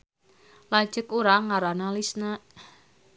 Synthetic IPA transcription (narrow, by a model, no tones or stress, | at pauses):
lḁd͡ʒəkuɾaŋaɾanalisnaʔ